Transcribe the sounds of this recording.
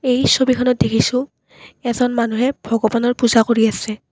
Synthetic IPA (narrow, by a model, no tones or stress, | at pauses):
ejsobikʰɔnɔt̚dekʰisʊ̃ | ɛzɔnmanuɦɛb̥ʱɔɡɔbanɔɹpuzakoɹiasɛ